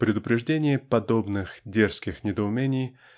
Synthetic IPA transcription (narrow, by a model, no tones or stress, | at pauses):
pɾʲɪd̪ʊpɾʲɪʐdʲenʲɪjəpɐd̪obnɨxdʲerskʲɪxnʲɪd̪əʊmʲenʲɪj